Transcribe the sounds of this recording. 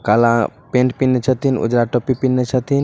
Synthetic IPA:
kalãpẽɳʈ̚pinːet͡ʃʰat̪inṵd͡ʒɾaʈɔpipinːet͡ʃʰat̪in

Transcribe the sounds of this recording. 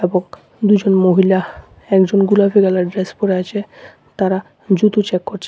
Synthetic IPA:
eboŋ | d̪ud͡ʑonmoɦila | ɛkd͡ʑonɡulafiɡɛlaɾɖɾespoɾeat͡ɕʰe | t̪aɾa | d͡ʑut̪ut͡ɕekːoɾt͡ɕʰe

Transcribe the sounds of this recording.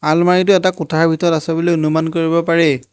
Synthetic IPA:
almaɹit̬ʊɛtakʊtʰaɹbʱitɔɹɔtasɛbɔlojʊnʊmankoɹibɔpaɹɛ

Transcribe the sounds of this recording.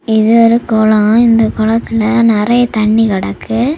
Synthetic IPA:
ɪðɯʋɐɾɯkɔlɐ̃ɪnd̪ɐkɔlɐt̪ːɪlɐnɪɾɐjɐt̪ɐɳːikɐɽɐkːɯ

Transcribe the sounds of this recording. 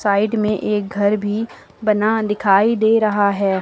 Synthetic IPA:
saːɪɖmẽʔeːk̚ɡʱɐɾbʱi | bɐnad̪ɪkʰaːid̪eːɾɐɦaɦɛː

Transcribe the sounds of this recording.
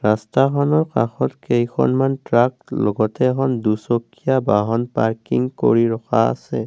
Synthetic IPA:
ɹastakɔnɔɹkaxɔtkejkʰɔ̰nmantɹaklɔɡɔtɛːkʰɔndusokʰːijabaɦɔnpaɹkḭŋko̰ɹiɹɔxʰaa̰sɛ

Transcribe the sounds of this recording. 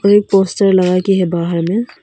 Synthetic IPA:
ɔɾeːk̚poːsʈəɾlɐɡakiɦɛbaːɦəɾmẽ

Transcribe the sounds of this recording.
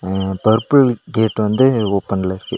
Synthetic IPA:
pɐɾpɯɾɐlɡeːʈːʋɐnd̪ɯoːpːɐnlɐɪɾɯkːɯ

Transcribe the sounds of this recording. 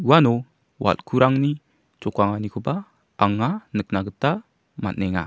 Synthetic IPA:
uwanɔ | wa̰lkʰuɾaŋni | t͡ʃɔkaŋanikʰɔba | aŋːanək̚naɡəta | ma̰t̚nɛŋa̰

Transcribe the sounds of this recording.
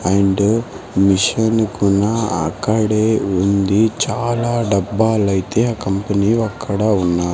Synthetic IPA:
ɐɳɖ | miʂɐnkunaɐ̰kːɐɽeːund̪it͡ʃaːlaːɖɐbːaːlɐjt̪e̞ːaːkɐmpɐniːɐkʰːɐɽaunːaːɾ

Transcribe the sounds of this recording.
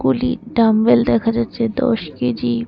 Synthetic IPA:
ɡulḭʈɾambeld̪ɛkʰad͡ʑatːɕʰed̪ɔ̰ʃkid͡ʑi

